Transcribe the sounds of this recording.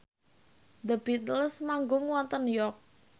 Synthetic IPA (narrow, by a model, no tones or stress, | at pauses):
d̪əbit̪əlsmaŋɡʊŋwɔnt̪ənjɔk̚